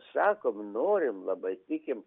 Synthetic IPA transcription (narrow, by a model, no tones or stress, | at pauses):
sɑːkoːmnoːɾʲɪmlˠɐbɐɪt̪ʲɪkʲɪm